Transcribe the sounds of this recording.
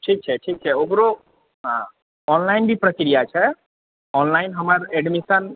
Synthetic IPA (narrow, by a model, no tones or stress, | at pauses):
ʈʰik̚t͡ʃʰɛʈʰik̚t͡ʃʰɛoɡɾo | ɦã | ɔnlaɪnbʱipɾəkɾijat͡ʃʰɛ | ɔnlaɪnɦəmaɾɛɖmisən